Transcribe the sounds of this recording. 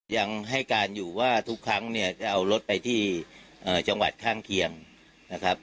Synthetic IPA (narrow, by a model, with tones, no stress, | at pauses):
ja˧ŋɦa˥˩jkaː˧njuː˨˩waː˥˩t̪ʰu˦˥kʰɾa˦˥ŋni˥˩ɐt͡ɕa˩ʔa˧wlo˦˥t̪̚pa˧jt̪ʰiː˥˩ | ʔɤː˨˩t͡ɕa˧ŋwa̰˨˩t̪̚kʰaː˥˩ŋkʰi˧əŋ | na˦˥kʰɾa˦˥p̚